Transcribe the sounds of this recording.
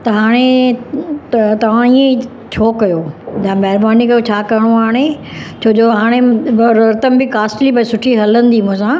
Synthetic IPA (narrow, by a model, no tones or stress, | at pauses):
t̪ɐɦaːɽ̃e | t̪ɐʋ̤ãiːẽ | t͡ɕʰoːkɐjoːd͡ʑãmɛɦɾbaːnikɐjot͡ɕʰaːkɐɾəɽ̃oaːɽ̃et͡ɕʰoːd͡ʑoːɦaːɽ̃eʋɐɾɐɾt̪əmbɪkaːsʈlibɐsʊʈʰiɦɐlə̃nd̪iːmʊ̃ɦsãː